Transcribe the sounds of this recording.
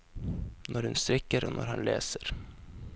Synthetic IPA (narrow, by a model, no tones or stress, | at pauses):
nʔɔɾhɵnst̪ɾɪkːəɾɔnʔa̰ɾhanleːsəɾ